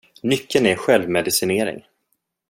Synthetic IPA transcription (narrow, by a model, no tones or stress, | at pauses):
nʏkːənæɧɛlvmɛd̪ɪsɪneːɾɪ̰ŋ